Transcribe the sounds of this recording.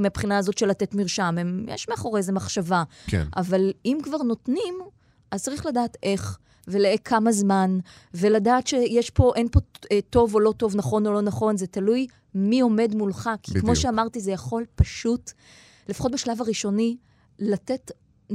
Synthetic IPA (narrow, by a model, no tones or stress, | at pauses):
meapχinaːzo̞tʃelate̞tmiʁʃamemjɛ̰ʃmeaχo̞ʁezemaχʃavaknʔa̰valimkvaʁno̞tnim | ʔazt͡saʁiχladaːtʔe̞χ | veleekʰamazman | veladaːtʃejeʃpo̞ʔenpo̞to̞volo̞to̞vnaχo̞no̞lo̞naχo̞nzetaluj | mio̞me̞dmulχakʰikmo̞ʃeamaʁtizejaχo̞lpaʃut | le̞fḁχot̚beʃlavaʁiʃo̞ni | latet